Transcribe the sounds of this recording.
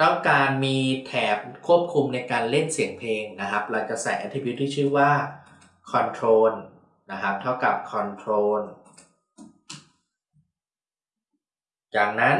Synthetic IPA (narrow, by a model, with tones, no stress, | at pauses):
t̪ɔ˥˩ŋkaː˧nmiː˧t̪ʰɛː˩˦p̚kʰu˥˩əp̚kʰu˧mna˧jkaː˧nle˥˩nsi˨˩˦əŋpʰleː˧ŋna˦˥kʰa˦˥p̚la˧ka˧sɛ̰ː˨˩ʔa˧t̪ʰiː˧pjt̪ʰːiː˥˩t͡ɕʰɯː˥˩waː˥˩ | kʰɔ˧nt̪ʰɾoː˧n | na˦˥kʰa˦˥p̚t̪ʰa˥˩wka˨˩p̚kʰɔ˧nt̪ʰɾoː˧n | jaː˨˩ŋna˦˥n